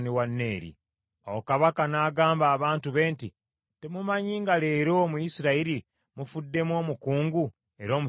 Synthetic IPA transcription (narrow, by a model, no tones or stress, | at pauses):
niwanːe̞ːɾḭ | o̰wokaβakanaːɡaːmbaːβaːntuβe̞ːnti | te̞mumaɲiːŋɡale̞ːɾo̞mujisiɾaiɾi | mufudːe̞mwo̞ːmukuːŋɡu | e̞ɾo̞ːmu